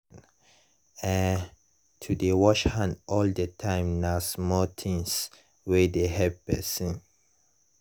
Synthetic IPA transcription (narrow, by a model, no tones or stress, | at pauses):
n | ɛ̃n | tʰudewɔʃhãndɔldətʰãɪ̃mnasmɔt̪ʰĩŋs | wɛdeɦɛvpɛsə̃n